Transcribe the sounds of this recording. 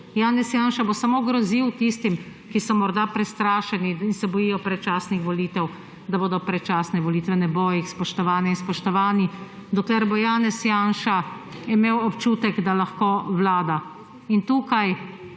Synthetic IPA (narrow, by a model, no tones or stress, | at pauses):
jaːnɛsjanʃabosamoɡɾɔziwt̪ist̪im | kisɔmɔɾd̪apɾɛst̪ɾaːʃɛniinsɛbɔjijɔpɾɛt͡ʃaːsnixʋɔliːt̪ɛw | d̪aboːd̪ɔpɾɛt͡ʃaːsnɛʋɔliːt̪ʋɛnɛbojixspɔʃt̪ɔʋaːnɛinspɔʃt̪ɔʋaːni | d̪ɔklɛɾbojaːnɛsjaːnʃa | imeːwɔpt͡ʃuːt̪ɛɡd̪alaxkoʋlaːd̪a | int̪uːkaj